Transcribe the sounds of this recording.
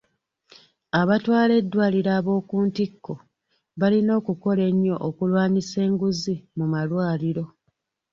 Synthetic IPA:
aβatwaːle̞dːwaːliɾaːβo̞ːkuːntikːo̞ | βalino̞ːkuko̞le̞ɲːo̞ʔokulwaːnise̞ːŋɡuzimumalwaːliɾo̞

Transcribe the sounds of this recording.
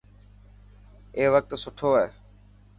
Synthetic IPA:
eːʋək̚t̪sʊʈʰoːɦɛː

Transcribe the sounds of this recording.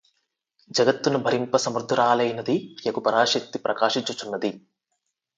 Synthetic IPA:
d͡ʒɐɡɐt̪ːunubʱɐɾimpɐsɐmɾd̪ʱuɾaːlɐjnɐd̪ijɐkupɐɾaːʃɐk̚t̪ipɾʔɐkaːʂiɲt͡ʃːut͡ʃunːɐd̪i

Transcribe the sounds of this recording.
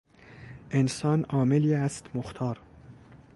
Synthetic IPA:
ʔensɒːnɒːmeliæst̪moxt̪ʰɒːɾ

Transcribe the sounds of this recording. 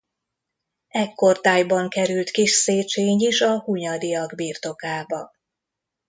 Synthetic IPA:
ɛkːort̪aːjbɒŋkɛɾylt̪kiʃseːt͡ʃeːɲiʃɒhuɲɒd̪ijɒɡbiːrt̪o̞kaːbɒ

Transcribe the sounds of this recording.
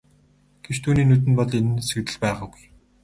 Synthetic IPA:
ɡ̥et͡ɕt̪ʰuːniːnut̪̬ɘ̆npɔɮenɘ̆nsɵ̆kt̪ɘ̆ɮpæːʁaːɡuj

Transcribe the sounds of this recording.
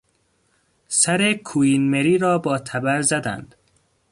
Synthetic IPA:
sæɾekʰuiːnmeɾiːɾɒːbɒːt̪ʰæbæɾzæd̪æ̰nd̪̥

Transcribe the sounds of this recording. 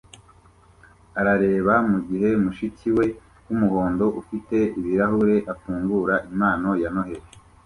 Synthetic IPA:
aɾaɾe̞ːβamuɡiɦe̞muʃiciwe̞ | kumuho̞ːndo̞ʔufite̞iβiɾaɦuɾe̞ʔafuːŋɡuɾaʔimaːno̞jano̞ɦe̞ɾe

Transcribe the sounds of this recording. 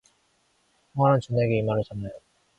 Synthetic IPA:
oŋanant͡ɕuneɡeimaɾɯɭt͡ɕʌnːajo

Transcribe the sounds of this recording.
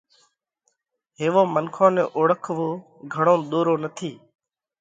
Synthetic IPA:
ɦeːʋoːmənkʰõːnḛːʔoːɽəkʰʋoː | ɡʱəɽõːɗ̪oːɾoːnət̪ʰiː

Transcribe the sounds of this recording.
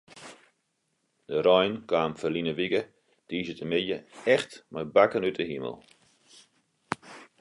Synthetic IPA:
d̥əɾɔjnkwaːmfərlinəʋiɡə | d̥iːzətəmɪjəɛxtmajbakənytəɦimə̰lˠ

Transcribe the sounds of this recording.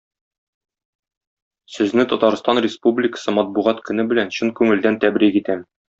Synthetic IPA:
sɵ̆znɘt̪ɒt̪ɑɾst̪ɑnɾʲɪspublʲɪkə̥̆sɤmɒt̪̚buʁɑt̪kɵ̆nɘbɘ̆lænɕɵŋkʉŋɘ̆ld̪ænt̪æbɾikit̪æm

